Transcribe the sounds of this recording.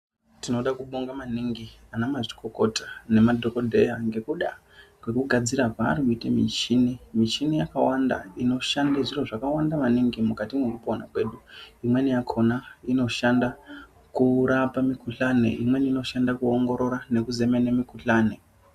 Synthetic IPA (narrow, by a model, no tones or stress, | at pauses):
tino̞ɗakuɓoŋɡamaniŋɡianamaʐikoko̞tḁne̞madʱo̞kodʱe̞jaŋɡe̞kuɗa | kwe̞kuɡʱad͡ziɾaka̰ːrkuitemḭt͡ʃinimiʃinijakawanda̰ino̞ʃandaʐiroʐakawandamaniŋɡimukatimwekupona̰kwe̞ɗuimwe̞nijakʰo̞naino̞ʃanda | kuɾapamikuɬanḛʔḭmwe̞niino̞ʃandakuoŋɡo̞ɾo̞ɾane̞kuze̞menemikuɬaːne̞